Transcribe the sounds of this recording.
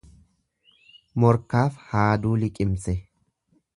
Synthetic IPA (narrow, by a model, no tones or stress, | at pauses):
mɔɾkaːfhaːd̪uːlɪkʼɪmsɛ